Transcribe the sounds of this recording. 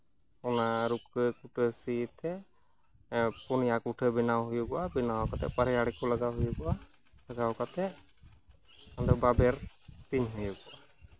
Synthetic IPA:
ɔnaɾukəkuʈʰəsit̪ɛ | pɔnijakuʈʰəbinawɦujuɡɔwabinawkat̪ɛ̰paɾɛjaɽikɔləɡawɦujuɡɔwa | ləɡawkat̪ɛʔ | ad̪ɔbabɛɾt̪iɲɦujuɡɔʔa

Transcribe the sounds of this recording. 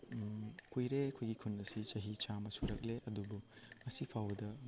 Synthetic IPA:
kujɾekʰojɡikʰunːɐsit͡ʃɐɦit͡ʃamɐsuɾɐk̚leʔɐdubuŋɐsipʰawdɐ

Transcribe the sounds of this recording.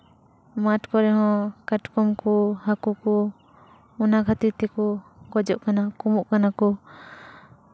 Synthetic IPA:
maʈkɔɾɛɦɔ̃kaʈkɔmkɔhakukɔ | ɔnaɡʰʱat̪it̪ɛkɔɡɔd͡ʒɔʔkanakɔmuʔkanakɔ

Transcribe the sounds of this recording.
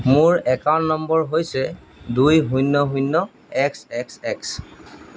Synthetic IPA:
mʊɹɛkawnːɔmbɔɹɦojsɛ | dujɦujnːɔɦunːɔ | ɛksɛksɛks

